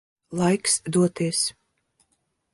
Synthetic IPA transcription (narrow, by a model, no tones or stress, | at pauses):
lˠajksd̪uɔt̪iɛs